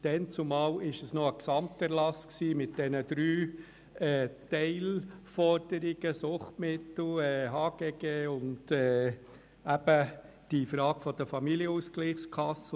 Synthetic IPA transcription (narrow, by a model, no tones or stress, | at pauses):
d̥ɛnt͡sʊmɑːlɪʃəsnoəksɑmtɛɾlɑsksiːmɪt̚d̥ɛnəd̥̪ɾyː | ɛːtɛɪlfɔɾd̥əɾɪɡ̥əsʊχtmɪt̪l̩ɛɦɑːɡ̥ɛɡeːʊndɛː | æb̥ə | d̥ifɾɑːɡ̥fɔd̥əfɑmiliəusklɪχskʰɑs